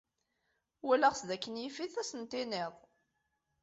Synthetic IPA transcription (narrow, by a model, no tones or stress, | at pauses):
wælæʁsðækːənjifiθæsənt̪ɪnɪðˤ